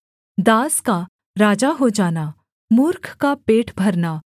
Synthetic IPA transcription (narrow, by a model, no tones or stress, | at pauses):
d̪aːska | ɾaːd͡ʒaɦod͡ʒaːna | muɾkʰkapeːʈbʱɐɾnaː